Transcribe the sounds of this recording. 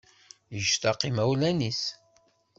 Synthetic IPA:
əʒt̪ɑqːimæwlænis

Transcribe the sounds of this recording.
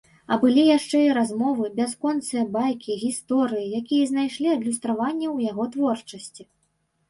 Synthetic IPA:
ɐbɨlʲijaʂt͡ʂɛiɾazmɔvɨbʲɛskɔnt̪sɨjɐbajkʲiɣʲist̪ɔɾɨjijakʲijɐzʲnajʂlʲiɐd̪lʲust̪ɾavanʲːɐwjaɣɔt̪vɔrt͡ʂɐsʲt͡sʲi

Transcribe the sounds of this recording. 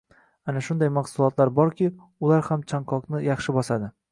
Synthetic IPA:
anaʃʊnd̪ajmaχsʊlˠɒt̪laɾbɒɾkʲɪ | ʊlaɾhamt͡ʃʰaŋkʰɒknɪjɑχʃɪbɒsad̪ɪ

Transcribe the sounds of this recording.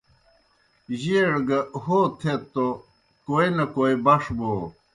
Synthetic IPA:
ʑiɽɡɐhot̪ʰet̪ːo | koenɐkoːibɐʂboː

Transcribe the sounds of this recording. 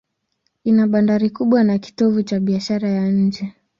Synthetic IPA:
inaɓandaɾikuɓwanaki̥tɔvut͡ʃaɓiaʃaɾajaɲ̩d͡ʒɛ

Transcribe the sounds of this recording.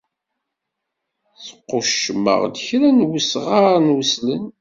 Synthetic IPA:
θə̥qːoʃːəmːə̰ʁd̪əçɾænwəsʁanwəslən

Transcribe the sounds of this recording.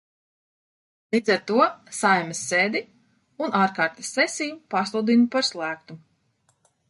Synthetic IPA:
lˠiːd̪zaɾt̪uɔsajmɛsːeːd̪i | unʔaːɾkaːɾt̪ḁsːɛsʲijupaslˠud̪inupaɾslˠæːk̚t̪u

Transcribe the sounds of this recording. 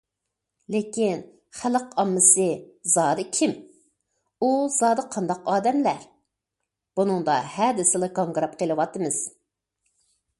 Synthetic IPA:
lekʲin | χæləqɑmːɨsɨzɑːd̪ɨkʲʰim | uzɑːd̪ɨqʰɑnd̪ɑqɑːd̪ɛmlæɾ | b̥unɨŋd̪ɑhɛd̪ɪsɨlˠɨkoŋɡɾɑp̚qʰelˠɨwɑt̪ɨmɨz̥

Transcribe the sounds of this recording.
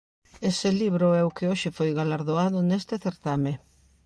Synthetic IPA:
esɪliβɾʊɛʊkɪoʃɪfojɣalaɾðoaðʊnest̪ɪθeɾt̪ame

